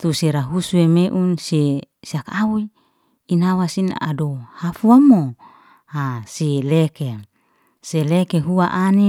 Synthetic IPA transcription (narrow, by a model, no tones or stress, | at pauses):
t̪useɾaɦusuemeʔunse | siakawui | inawasina̰dohafuamo | hasileke | selekeɦuaʔani